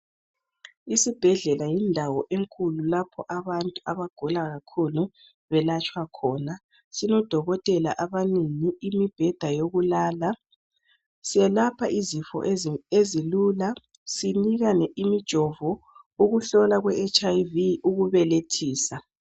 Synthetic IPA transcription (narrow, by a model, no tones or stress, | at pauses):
isib̥ʱɛɮɛlajindʱawɔʔeŋkʰʼululapʰɔʔaβantʼuaβaɡ̥ʱɔlaɣakʰulu | βɛlat͡ʃʼwakʰɔːna | sinɔd̥ʱɔɣɔtʼɛla̰ʔaβaneŋiimib̥ʱɛd̥ʱajoɣulaːla | siɛlapʰaʔizifɔ̰ʔezilula | siniɣanɛʔimid̥ʒ̥ʱɔvɔ | uɣuɬɔlaɣwɛːt͡ʃʼajviuɣuβɛletʰiːsa